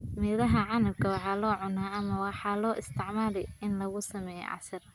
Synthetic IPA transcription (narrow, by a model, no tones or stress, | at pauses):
mɪðɐɦɐʕɑnɐb̚kʰɐwɑħɑːlɔːʕʊnaːɐmɐwɑħɑːlɔːʔɪst̪ʰɪʕmaːlɛɪnlɐɣʊsɐmɛːjɛ̰ʕɑ̰sɐr